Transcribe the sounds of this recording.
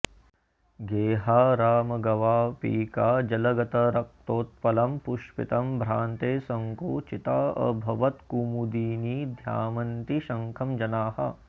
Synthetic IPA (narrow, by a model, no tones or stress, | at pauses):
ɡeːɦaːɾaːmɐɡɐʋaːpḭːkaːd͡ʒɐlɐɡɐt̪ɐɾɐk̚t̪oːt̪̚pɐlɐmpuʃpḭt̪ɐmbʱɾaːnt̪eːsɐŋkoːt͡ʃit̪aːɐ̰bʱɐʋɐt̪kumud̪iːniːd̪ʱja̰ːmɐnt̪iʃɐ̃ŋkʰɐmd͡ʒɐnaːhɐ̰